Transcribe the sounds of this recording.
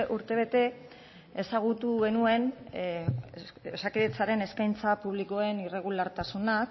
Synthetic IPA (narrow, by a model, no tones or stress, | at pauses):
ʔuɾt̪e̞β̞e̞t̪e̞ | esaɣ̞ut̪uɣe̞nue̞n | esakiðet͡saɾe̞ne̞skajnt͡sapuβ̞liko̞e̞nire̞ɣ̞ulaɾt̪asunak